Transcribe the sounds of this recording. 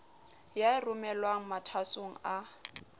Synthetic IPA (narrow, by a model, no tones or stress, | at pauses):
jaɪrʊmɛlwaŋ̩matʰasoŋ̩a